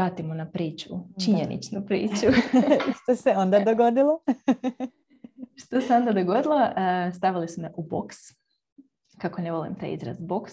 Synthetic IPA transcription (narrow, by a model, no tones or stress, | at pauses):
aːt̪imonapɾiːt͡ʃut͡ʃiɲenḭt͡ʃnupɾḭːt͡ʃuʃt̪oseo̞nd̪ad̪oɡo̞d̪ilˠo | ʃt̪oseo̞nd̪ad̪oɡo̞d̪ilˠo̞st̪aʋilisumeʔubo̰ks | kako̞neʋo̞lḭmt̪a̰jḭzɾa̰zboks